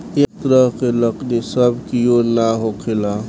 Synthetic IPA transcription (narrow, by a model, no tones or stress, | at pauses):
ekt̪ɾəɦkeləknesəbkijonaɦokʰela